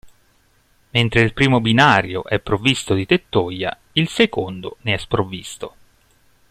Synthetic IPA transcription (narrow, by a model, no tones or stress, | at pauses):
ment̪ɾeilpɾiːmobinaːɾjoʔɛpːɾovist̪od̪it̪et̪ːoja̰ | ilsekond̪o̰neɛspɾovist̪o